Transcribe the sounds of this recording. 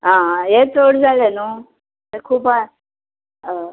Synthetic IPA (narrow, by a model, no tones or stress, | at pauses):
ɦãjet͡s̪ʰoɽd͡zʱaleno | ekʰuːpa